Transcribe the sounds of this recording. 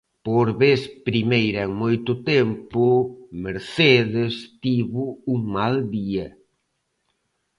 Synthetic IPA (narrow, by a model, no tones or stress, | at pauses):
poɾβeθpɾimejɾɐeŋmojt̪ʊt̪empʊmeɾθeðest̪iβʊuŋmald̪iɐ